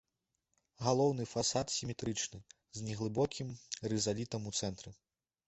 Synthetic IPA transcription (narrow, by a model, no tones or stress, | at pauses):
ɣalˠɔwnɨfasat̪sʲimʲɛt̪ɾɨt͡ʂnɨ | zʲnʲɛɣlˠɨbɔkʲimrɨzalʲit̪ɐmut̪sɛnt̪ɾɨ